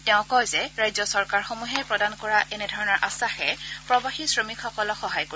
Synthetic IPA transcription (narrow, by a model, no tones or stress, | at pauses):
tɛ̃ʊ̃kɔjzɛɹajzɔsɔɹkaɹxomuɦɛpɹɔdankɔɹaʔɛnɛdʱɔɹɔnɔɹʔasaxɛpɹɔbaxisɹomikxɔkɔlɔxɔɦajko